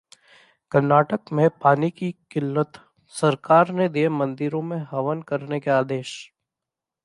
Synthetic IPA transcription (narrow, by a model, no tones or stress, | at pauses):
kəɾnaːʈəkmẽpaːnikikɪlːət̪ | sɐɾkaːɾned̪iemɐ̃nd̪ɪɾõmẽɦɐʋənkɐɾnekeaːd̪eːʃ